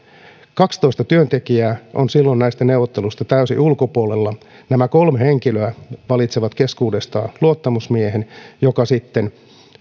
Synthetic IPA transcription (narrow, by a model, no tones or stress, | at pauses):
kɑkst̪o̞ist̪ɑt̪yønt̪ekiæːʔonsilːonnæist̪æneuʋot̪ːelust̪ɑt̪æysḭʔulkopuolelːɑ | næmækolmheŋkiløæʋɑlit̪seʋɑt̪keskuːdest̪ɑ̰ːnluot̪ːɑmusmieɦenjokɑsit̪ːen